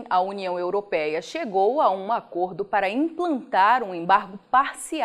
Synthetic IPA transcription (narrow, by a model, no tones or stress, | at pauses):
ɐuniɐ̃w̃ewɾopɛjɐʃeɡowaũakoɾd̪ʊpaɾɐĩplɐ̃nt̪aɾũẽbaɾɡʊpaɾsi